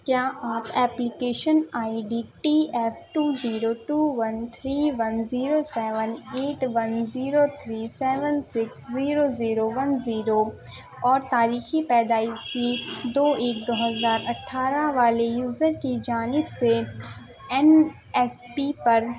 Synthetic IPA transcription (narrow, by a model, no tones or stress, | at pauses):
kjaːʔaːpɛːplɪkeːʃənaːiɖiːʈiːɛpʰʈuːziːɾoʈuːʋɐnt̪ʰɾiːʋɐnziːɾosɛːʋəneːʈʋɐnziːɾot̪ʰɾiːsɛːʋənsɪksziːɾoziːɾoʋɐnziːɾo | ɔːɾt̪aːɾiːxipɛːd̪aːisid̪oːeːkd̪oːɦəzaːɾɐʈʰːaːɾaʋaːlejuːzəɾkid͡ʒaːnɪbse | ɛn | ɛspipɐɾ